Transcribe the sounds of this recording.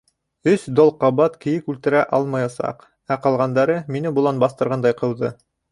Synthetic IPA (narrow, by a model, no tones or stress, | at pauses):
ɵsd̪olˠqɑβɑt̪kɘ̆jɘkʉlt̪ɘ̆ɾæʔɑlˠmɑjɑsɑ̰q | æqɑlˠʁɑnd̪ɑɾɤminɘbulˠɑnbɑst̪ɤ̆ɾʁɑnd̪ɑjqɤ̆wˠd̪ɤ